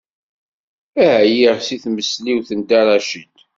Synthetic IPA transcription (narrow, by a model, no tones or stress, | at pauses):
æhæjiʁsiθməsliwθənd̪aɾˤɑʃəd̪